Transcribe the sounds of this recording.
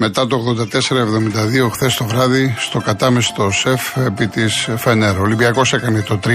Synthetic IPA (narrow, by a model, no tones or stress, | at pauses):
me̞t̪ɐt̪ooɣðo̞nd̪ɐt̪e̞se̞ɾɐevðo̞mind̪ɐðio̞xθest̪o̞vɾɐðist̪o̞kɐt̪ɐmest̪o̞sefepit̪isfeneɾolimbiɐko̞sekɐnet̪o̞t̪ɾi